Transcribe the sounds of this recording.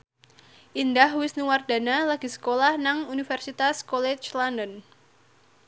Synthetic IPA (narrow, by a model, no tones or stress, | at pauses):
ʔindahwɪsniward̥a̤nalaɡ̥i̤sə̥kolahnaŋunifɛrsit̪askɔlɛt͡ʃlanən